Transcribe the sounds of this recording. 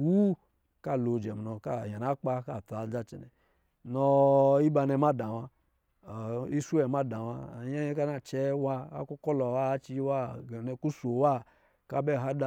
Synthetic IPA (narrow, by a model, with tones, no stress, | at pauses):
wu˦ | ka˦˨lo˨d͡ʒɛ˨m˨nɔ˨ka˦˨ja˨na˦k͡pa˦ka˦˨ta˨d͡za˦t͡ʃɛ̰˨nɛ̰˨ | nɔ˧i˦ba˧nɛ˧ma˦da˨wa˧˨ | i˦su˦ɛ˨ma˦da˨wa̰˧˨ja˦jɛ˦ka˦na˦t͡ʃɛ˦wa˧a̰˦ku˦kɔ˦lɔ˨wa˦t͡ʃi˧˦wa˦˨nɛ˧ku˦so˨wa˦ | ka˦bɛ˦˨ɦa˦da˨